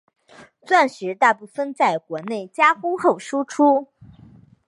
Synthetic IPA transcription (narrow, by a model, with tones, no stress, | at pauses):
t͡swa˥˩nʂɻ̩˧˥t̪a˥˧pu˥˩fə˥˧nt͡sa˥˩ɪkwɔ˧˥ne˥˩ɪt͡ɕja˥xu˥xo˥˩ʊʂu˥ʈ͡ʂʰu˥